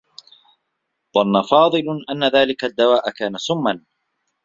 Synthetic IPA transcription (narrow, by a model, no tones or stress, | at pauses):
ðˤɑnːafɑːðˤɨlʔanːaðaːlɪkad̪ːawaːʔakaːnasʊmːan